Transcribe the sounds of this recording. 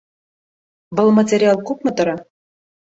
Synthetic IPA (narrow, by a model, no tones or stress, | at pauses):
vɤ̆lˠmɐtʲeɾʲɪɑlˠkupmɤ̆t̪ɤ̆ɾɑ